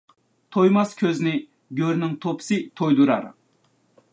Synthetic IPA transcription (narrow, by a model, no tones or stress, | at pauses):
t̪ʰojmɑskʲʰøznɪ | ɡʲøɾnɪŋt̪ʰopʰsɨt̪ʰojd̪uɾɑ̰ɾ